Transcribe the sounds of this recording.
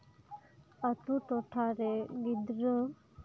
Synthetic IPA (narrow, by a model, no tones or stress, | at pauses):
ət̪uʈoʈʰaɾeɡid̪ɾə